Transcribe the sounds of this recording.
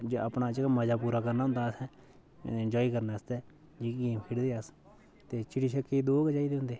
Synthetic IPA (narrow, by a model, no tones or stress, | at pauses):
d͡ʒəpnaːd͡ʒekaməd͡ʒaːpuːɾaːkəɾnaːɦʊnd̪aːsɛ̃ː | ɪnd͡ʒɔːiːkəɾnaːɪst̪ɛː | d͡ʒiːɡeːmkʰɪɽd̪eːəs | t̪eːt͡ʃɪɽiːʃʰəkːid̪oːɡəd͡ʒaːiːd̪eːɦʊ̃nd̪eː